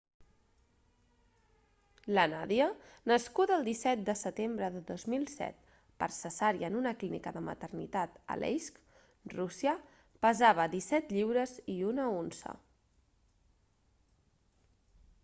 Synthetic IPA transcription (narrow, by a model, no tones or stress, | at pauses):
lənaðiənəskut̪əlˠd̪isɛt̪̚d̪əsət̪embɾəðəðozmilˠsɛ̰t̪̚ | pəɾsəsaɾiənunəklinḭkəðəmə̰t̪ərnḭt̪at̪ə̰lʔɛ̰jsk | rusiə | pəzaβ̞əd̪isɛt̪ʎiwɾəziunəonzə̰